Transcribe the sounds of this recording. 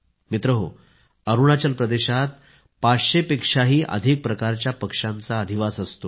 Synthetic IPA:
mit̪ɾəɦo̰ | əɾuɳat͡ɕəlpɾəd̪eɕat̪ | pat͡sɕepekʂaɦiːʔə̰d̪ʱik̚pɾəkaɾt͡ɕjapəkʂãnt͡saəd̪ʱiʋasəst̪o

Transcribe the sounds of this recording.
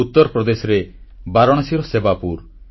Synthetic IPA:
ut̪ːɔɾɔpɾɔd̪esɔɾebaɾɔɽ̃asiɾɔsebapuɾ

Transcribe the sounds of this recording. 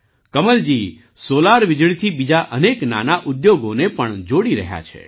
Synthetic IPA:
kəməld͡ʒi | solaɾʋɪd͡ʒɭit̪ʰibid͡ʒaʔənekna̰naʔud̪joɡonepəɳd͡ʒoɽiɾə̰ɦja̰t͡ʃʰḛ

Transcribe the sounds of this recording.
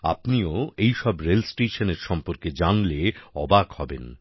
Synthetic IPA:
a̰pnioejʃɔbɾelsʈeʃoneɾʃɔmpoɾked͡ʑanleɔbakhɔben

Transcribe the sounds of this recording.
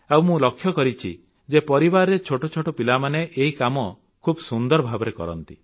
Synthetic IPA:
awmũlɔkʰːjɔkɔɾit͡ʃʰḭ | d͡ʒepɔɾibaɾɔɾet͡ʃʰoʈot͡ʃʰoʈɔpilamaneʔeɦikamɔ | kʰubsund̪ɔɾɔbʱabɔɾekɔ̰ɾɔ̰nt̪i

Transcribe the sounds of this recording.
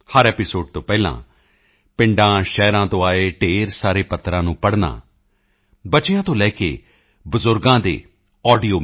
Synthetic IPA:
həɾɛːpɪsoːɖt̪õːpɛːlã̰ː | pɪ̃ɳɖãːʃɛːɾãːt̪õːaːeːʈeːɾsaːɾeːpət̪ːɾãːnũːpəɽna̰ː | bət͡ʃɪjãːt̪õːlɛːkḛː | bʊzʊɾɡãːd̪ḛː | ɔːɖijoː

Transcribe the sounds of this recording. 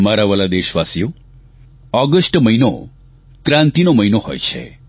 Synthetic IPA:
maɾaʋəlad̪eʃʋasijo | ɔɡəsʈməjno̰ | k̪ɾãnt̪inoməjnohɔ̰jt͡ʃʰḛ

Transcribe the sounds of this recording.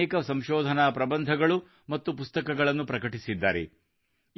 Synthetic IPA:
ɛːkɐsɐmʃɔːd̪ʱɐnaːpɾɐbɐnd̪ʱɐɡɐɭu | mɐt̪ːupust̪ɐkɐɡɐɭɐnːupɾɐkɐʈisid̪ːa̰ːɾḛ

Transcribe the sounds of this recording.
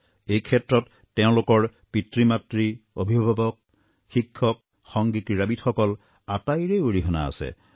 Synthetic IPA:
ejkʰɛtɹɔtːɛʊ̃lʊkɔɹpitɹimatɹiobʱibʱabɔk̚ | xikʰːɔk̚ | xɔŋɡikɹiɹabitxɔkɔl | atajɹeoɹiɦɔna̰a̰sɛ̰

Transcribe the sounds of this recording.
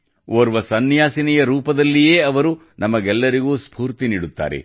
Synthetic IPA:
oːɾʋɐsɐnːjaːsinɛjɐɾuːpɐd̪ɐlːije̞ːɐʋɐɾu | nʔɐmɐɡɛlːɐɾiɡuːspʰuːɾt̪iniːɽut̪ːa̰ːɾḛ

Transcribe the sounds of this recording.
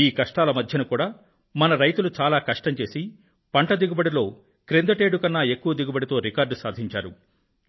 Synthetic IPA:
iːkɐʂʈaːlɐmɐd̪ʱjɐnukuːɽaː | mɐnɐɾɐjt̪ulut͡ʃaːlaːkɐʂʈɐɲt͡ʃe̞ːsi | pɐɳʈɐd̪iɡubɐɽilo̞ː | kɾend̪ɐʈe̞ːɖukɐnːaːe̞kːuʋɐd̪iɡubɐɽit̪o̞ːɾikaːɾɖsaːd̪ʱiɲt͡ʃaːɾu

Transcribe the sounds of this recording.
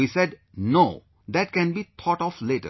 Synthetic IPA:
iseɖ | noː | d̪ɛʈ̚kɛ̃nbiːt̪ʰɔʈɔfleʈə̰

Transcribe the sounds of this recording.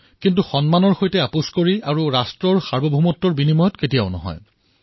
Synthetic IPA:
kint̬uxɔnmanɔɹxojtɛapuskoɹiaɹuɹastɹɔɹxaɹbɔbʱumɔtːɔɹbinimɔjɔtketijaʊnɔ̰ɦɔ̰j

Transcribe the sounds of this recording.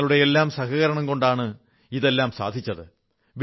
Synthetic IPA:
ɐɭuɽe̞elːaːmsɐhɐɣɐɾɐɳɐmko̞ɳɖaːɳɨ | iðe̞lːaːmsa̰ːd̪ʱit͡ɕːɐðɨ | ʋ

